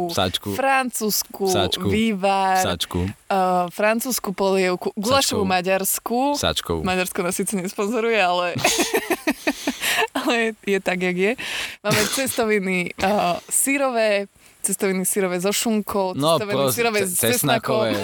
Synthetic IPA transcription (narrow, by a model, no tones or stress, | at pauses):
usa̰t͡ʃkufɾant͡suːskusa̰t͡ʃʋiːʋasɾa̰t͡ʃkṵ | fɾant͡suːskupɔlɪɛʊkuɡulaʃɔʋumaɟaɾskusa̰t͡ʃkɔ̰maɟaɾskɔnasiːt͡sɛɲɛspɔnzɔɾujɛalɛ | alɛjjɛt̪aɡjaɡjɛmaːmɛt͡sɛst̪ɔʋini | siɾɔʋɛː | t͡sɛst̪ɔʋinisiɾɔʋɛzɔʃuŋkʰɔʊt͡snɔɛt̪ɔʋinisiɾɔʋɛɛsnakɔ